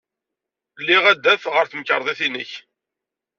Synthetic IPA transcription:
lːiʁæd̪ːæfʁəɾθməkːəɾˤðˤiθinəç

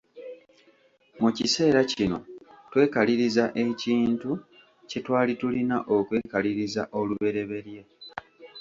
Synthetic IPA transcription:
mucise̞ːɾacino̞̰twe̞ːkaliɾizaʔe̞ciːntu | ce̞twaːlitulinaʔo̞kwe̞ːkaliɾiza̰ʔo̞luβe̞ɾe̞βe̞ɾje̞

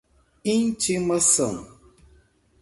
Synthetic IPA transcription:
int͡ʃiməsəŋ

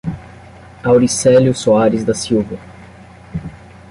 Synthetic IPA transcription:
awɾisɛljʊsoaɾɪzd̪ɐsiwvɐ

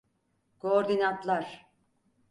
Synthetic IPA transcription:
kʰoːɾd̪inant̪lˠaɾ̥

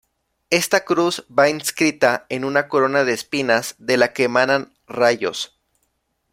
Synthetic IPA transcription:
e̞st̪akɾuzbainskɾit̪ae̞nunako̞ɾo̞naðe̞ːspinazðe̞lakemanan | raʝo̞̰s

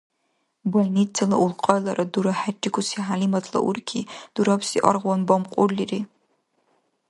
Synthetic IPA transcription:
bolnit͡sʰːɐlɐʔulqʼɐlɐɾɐduɾɐħat͡ʃʼːɪkʷʰʊsiħalimɐtʰlɐ̰ʔʊ̰rkʲʰiːd̥uɾɐpʰsiʔɐ̰rʁʷɔnbɐmqʷʼʊliriː

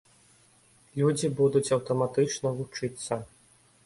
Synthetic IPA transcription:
lʲud͡zʲibud̪ut͡sʲɐwt̪ɐmat̪ɨt͡ʂnɐvut͡ʂɨt̪sːɐ

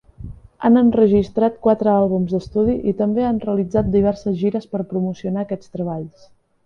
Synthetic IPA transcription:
a̰nənrəʒist̪ɾat̪̚kwat̪ɾəalˠβ̞umzd̪əst̪uð̞iʔḭt̪əmbeanreəlid͡zat̪̚d̪iβ̞ɛɾsəzʒiɾəspəɾpɾumusiunaəkɛt͡st̪ɾəβaʎs

